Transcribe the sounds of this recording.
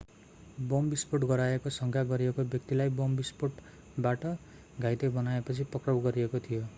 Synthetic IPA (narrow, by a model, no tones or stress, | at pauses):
bombispoʈɡʌɾaekosʌŋkʰaɡʌɾiekobjʌk̚t̪ilajbombispoʈ | baʈʌ | ɡʱajt̪ebʌnaepʌt͡sʰipʌkrʌwɡʌɾiekot̪ʰijo